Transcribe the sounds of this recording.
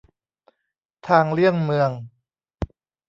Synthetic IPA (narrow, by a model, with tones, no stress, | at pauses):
t̪ʰaː˧ŋlɯ˥˩əŋmɯ˧əŋ